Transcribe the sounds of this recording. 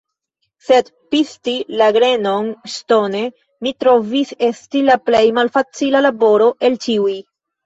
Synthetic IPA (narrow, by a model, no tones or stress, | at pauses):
se̞d | pistilaɡɾe̞no̞nsto̞ne̞ | mitɾo̞vise̞stilaple̞jmalfat͡silalabo̞ɾo̞ʔe̞lt͡ʃiuj